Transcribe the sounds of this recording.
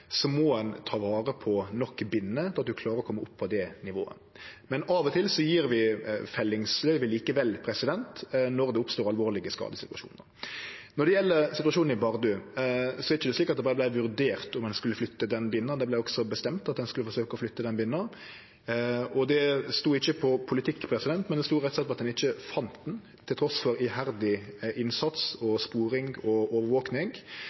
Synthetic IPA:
sɔmɔɛnt̪ʰɑːʋɑːɾəpʰɔnɔkːbɪnːəɑt̪̚d̪ʉkʰlɑːɾəɾɔkʰɔmːəʊpːʰɔd̪ɛnɪʋo̰ːə̰ | mɛnɑːʋɔt̪ʰɪlsɔjiːɾʋɪfɛlːɪŋslœʏʋəliːkəʋɛlːpʰɾɛsɪd̪ɛnt̪nɔɾd̪ɛʊpst̪oːɾɑlʋoːɾlɪɡəskɑ̰ːd̪əsɪt̪ʉɑ̰ʂṵːnəɾnɔɾd̪ɛjɛlːəɾsɪt̪ʉɑʂuːnnɪbɑʁd̪ʉsɔɛɾɪçəd̪ɛsliːkɑt̪d̪ɛbɑːɾəblæɪʋʉɾd̪eːʁt̪ɔmɛnskʉlːəflʏt̪ːəd̪ɛnbɪnːəd̪ɛblæɪɔksɔbəst̪ɛmt̪ɑt̪̚d̪ɛnskʉlːəfɔɾsøːkəɔflʏt̪ːəd̪ɛnbɪnːə | ɔd̪ɛst̪uːɪçːəpʰɔpʰʊlɪt̪ʰɪkːpʰɾɛsɪd̪ɛnt̪mɛnd̪ɛst̪uːʁɛt̪sɛt̪pɔɑt̪d̪ɛnɪçːəfɑnt̪d̪n | t̪ʰɪlt̪ʰɾɔsfɔɾɪɦæɾd̪ɪʔɪnsɑt̪sɔspuːɾɪŋɔɔːʋəɾʋoːknɪŋ

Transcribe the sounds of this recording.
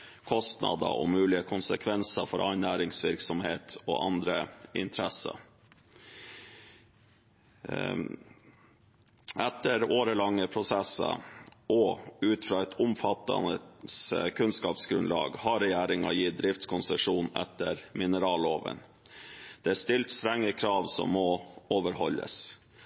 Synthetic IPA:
kʰɔst̪nɑ̰d̪ə̰ɔmʉːlɪəkʰʊnsəkʰʋɛnsəfɔɾʔɑɪnæːɾɪŋsʋɪɾksɔmheːt̪ʰɔ̰ːʔɑ̰nd̪ɾəɪ̰nt̪ʰɾɛsə̰ | ɛt̪ːəɾoːɾəlɑŋːəpʰɾʊsɛsɑ̰ʔɔʉːt̪fɾɑːɛt̪ʰʊmfɑt̪ːɑ̰nəskʰʉnskɑːpsɡɾʉ̰nlɑ̰ːɡhɑɾɛjæːɾɪŋɑjiːd̪ɾɪft̪kʰʊnsəʂuːnɛ̰t̪ːəɾmɪnəɾɑːloːʋə̰n | d̪̥ɛæst̪ɪlt̪st̪ɾɛŋːəkʰɾɑːʋsɔ̰mːɔoːʋəɾhɔlːə̰s

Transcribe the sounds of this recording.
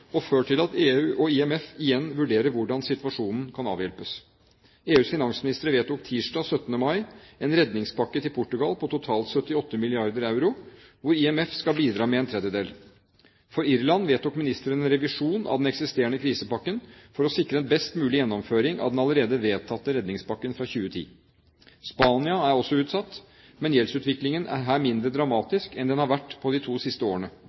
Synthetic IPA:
ɔføːʈʰɪlɑt̪eːʉːʔɔɪɛmɛfɪjɛnːʋʉɖeːɾəɾʋʊɖɑnsɪt̪ʋɑʂuːnn̩kʰɑnɑ̰ːʋjɛlpəs | eːʉːsfɪnɑŋsmɪnɪst̪əɾəʋeːt̪d̪ɔk̚t̪ʰiːʂɖɑːsœt̪ːənəmɑɪɛnɾɛd̪nɪŋspʰɑkːət̪ʰɪlpʰʊʈːʉɡɑlpʰɔt̪ʊt̪ʰɑːlt̪sœt̪ːɪɔt̪ːəmɪlɪɑɾd̪əɾɑʉɾʊʋʊɾiɛmɛfskɑlbiːd̪ɾɑːmɛɛnt̪ʰɾɛd̪jəd̪eːl | fɔɾɪɾlɑnʋeːt̪̚d̪ɔkmɪnɪst̪əɾənɛnɾɛʋɪʂuːnɑ̰ʋd̪ɛnɛksɪst̪eːəɳəkʰɾiːsəpɑkːənfɔɾɔsɪkɾəɛnbɛst̪mʉːlɪjɛnːɔmføːɾɪŋʔɑ̰ʋd̪ɛnɑlˠəɾeːd̪əʋeːt̪ʰɑt̪ːəɾɛd̪nɪŋspɑkːənfɾɑçʉːət̪ʰḭː | spɑːnɪɑæɾɔsːɔʉːt̪sɑt̪ː | mɛnjɛlsʉːt̪ʋɪklɪŋənʔæ̰ɾɦæːɾmɪnd̪ɾəd̪ɾɑmɑːt̪ɪskɛnd̪ɛnhɑɾʋæʈːpʰɔd̪ɪt̪ʰuːsɪst̪əoːɾəɳə

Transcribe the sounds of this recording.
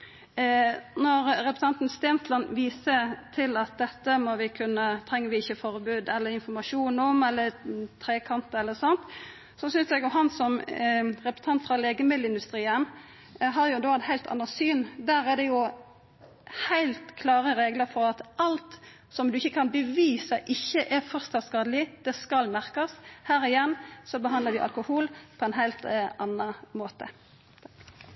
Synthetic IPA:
nɔɾɾɛpɾəsɑnt̪n̩st̪eːnslɑnʋiːsət̪ʰɪlɑt̪̚d̪ɛt̪ːəmɔʋɪkʰʉnːət̪ʰɾɛŋːəʋɪɪçːəfɔɾbʉːd̪ɛlːəɾɪnfɔɾmɑʂuːnɔmɛlːəɾt̪ʰɾeːkʰɑnt̪əɛlːəsɑnt̪ | sɔsʏnsɛɡjʊɦɑnsɔmɾɛpɾə̥sə̥t̪ʰɑnt̪fɾɑleːɡəmɪd̪ləɪnd̪ʉst̪ɾiːən | ɦɑɾjʊd̪oːɑt̪hæɪlt̪ʰɑ̰nːəsyːnd̪æːɾæd̪ɛjʊ | hæɪlt̪kʰlɑːʁəɾeːɡləɾfɔɾɑt̪ʔɑlt̪ | sɔmd̪ʉɪçːəkʰɑnbəʋiːsɑʔɪçːəʔɛfɔʁst̪ɑskɑːd̪əlɪd̪̥ɛskɑlmæʁkɑshæːɾɪjɛnːsɔbəɦɑnd̪əɾd̪ɪʔɑ̰lkʊhuːlpʰɔɛnɦæɪlt̪ʔɑnːɑmoːt̪ə̰

